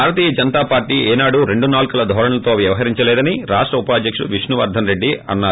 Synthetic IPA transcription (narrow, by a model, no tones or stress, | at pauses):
aːɾɐt̪iːjɐd͡ʒɐnɐt̪aːpaːɾʈiːɛːnaːɽuɾe̞ɳɖunaːlkulɐd̪ʱɔːɾɐɳɐlɐt̪o̞ːʋjɐʋɐɦɐɾiɲt͡ʃɐlɛːd̪ɐniɾaːʂʈɾɐupɐːd̪jɐkʂʋiʂnuʋɐ̰ɾd̪ʱɐnɾeɖːiɐ̰nːaː